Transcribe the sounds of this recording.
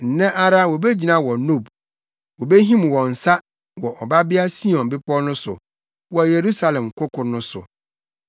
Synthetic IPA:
n̩˨nɛ̃˦ʔa˦ɾa˦wɔ˨be˦d͡ʑi˨nã˦˨wɔ˨no˦˨b | wɔ˨be˦ɦĩ˦mwɔ̃˨n̩˨sa˦ | wɔ˨ʔɔ˨ba˦bɪ˦a˦si˦ɔ̃˨nbɪ˦pʰɔ˦nʊ̃˦sʊ̰˨ | wɔ˨je˨ɾu˦sa˦lɛ̃˨mkʰʊ˦kʰʊ˨nʊ̃˦sʊ̰˨

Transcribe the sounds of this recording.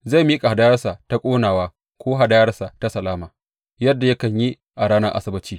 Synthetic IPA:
za˦˨miː˦kʼa˨ha˨da˦jɐ˦rsa˨ta˦kʷʼoː˦naː˨waː˦ | kʷoː˦ɦa˨da˦jɐ˦rsa˨ta˦sɐ˨laː˦maː˨ | jɐ˦dːa˨jɐ˦kɐ˨ɲji˦ | ʔa˨ɽaː˦nɐ˦ʔa̰˦sɐ˦bɐ˦t͡ʃiː˦

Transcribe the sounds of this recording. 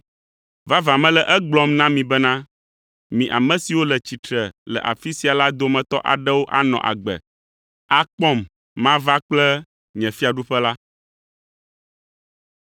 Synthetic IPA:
va˦va˨mɛ̃˦lɛ˨ʔɛ˦ɡ͡blɔ˦mnã˦mĩ˨bɛ˦nã˦ | mĩ˨ʔa˨mɛ̃˨si˨wo˦lɛ˨t͡ɕi˨t̪ɾɛ˨lɛ̰˨ʔa̰˨fi˦si˨a˨la˦d̪o˨mɛ̃˨t̪ɔ˦ʔa̰˨ɖɛ˦wo˦ʔa˦nɔ̰̃˨ʔa̰˨ɡ͡bɛ̰˨ | a˦k͡pɔ˦mː | ã˦va˦k͡plɛ˦ | ɲɛ̃˨fi˦a˨ɖu˦ɸɛ˦la˦

